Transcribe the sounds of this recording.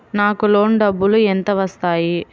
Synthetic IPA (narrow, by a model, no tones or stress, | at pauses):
naːkulo̞ːnɖɐbːuluent̪ɐʋɐst̪aːji